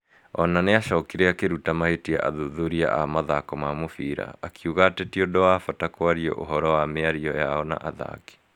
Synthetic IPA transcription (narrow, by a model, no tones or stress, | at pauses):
ɔ̰naneaɕɔkiɾeakeɾutamahetia̰ʔa̰ðuðuɾia̰ʔamaðakɔmamofiɾa̰ːkiuɣatɛtiodɔwafatakoaɾiɔ̰ʔoɦɔɾɔwameaɾiɔjaɔna̰ʔaða̰ki̥